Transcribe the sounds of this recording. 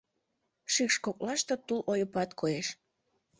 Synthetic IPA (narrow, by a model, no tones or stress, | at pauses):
ʃykʃkok̚lɑʃt̪ot̪ulʔojəpɑt̪kʰoeʃ